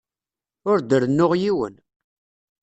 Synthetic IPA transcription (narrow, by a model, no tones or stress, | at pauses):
ʊɾd̪əɾnːʊʁjiwə̰n